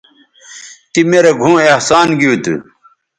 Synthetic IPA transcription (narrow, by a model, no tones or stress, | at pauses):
t̪imeɾeɡʱũːehsaːnɡiut̪ṵ